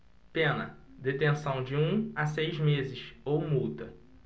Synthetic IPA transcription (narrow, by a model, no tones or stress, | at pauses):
pẽnɐ̰ | d̪et̪ẽsɐ̃w̃d͡ʒɪũasejzmezɪʃowmut̪ɐ